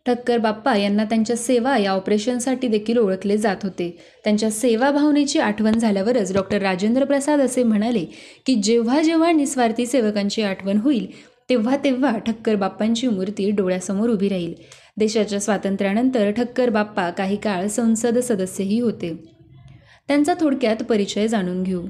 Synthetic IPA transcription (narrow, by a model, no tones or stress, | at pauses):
ʈʰəkːəɾbapːajanːat̪jaɲt͡ɕjaseʋajaɔpɾeɕənsaʈiːd̪ekʰiːloɭəkled͡zat̪ɦot̪e | t̪jaɲt͡ɕjaseʋabʱaʋnet͡ɕiːaʈʰʋənd͡zʱaljaʋəɾət͡sɖɔk̚ʈəɾːad͡ʑend̪ɾəpɾəsad̪əsem̤əɽ̃alekiːd͡ʑeʋ̤ad͡ʑeʋ̤anisʋaɾt̪iːseʋəkãɲt͡ɕiːaʈʰʋənɦoiːl | t̪eʋ̤at̪eʋ̤aʈʰəkːəɾbapːaɲt͡ɕiːmuɾt̪iːɖoɭjasəmoɾubʱiːɾaɦiːl | d̪eɕat͡ɕjasʋat̪ənt̪ɾjañənt̪əɾʈʰəkːəɾbapːakaɦiːkaɭsə̃w̃səd̪səd̪əsjeɦiːɦot̪e | t̪jant͡sat̪ʰoɽkjat̪pəɾit͡ɕəjd͡zaɽ̃uːnɡʱeo